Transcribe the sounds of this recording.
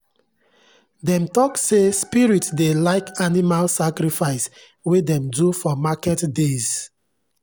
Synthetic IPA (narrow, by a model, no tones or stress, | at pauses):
dɛ̃mtɔksespiɹitsdelaɪkanimalsakɾifaɪs | wedɛ̃mdufɔmakɛtdez̥